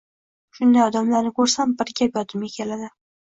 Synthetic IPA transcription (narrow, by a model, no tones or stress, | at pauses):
ʃʊnd̪ajɒd̪amlaɾnɪkʰɵɾsambɪɾɡʲapjɒt̪ʰɪmʲakʲʰelad̪ɪ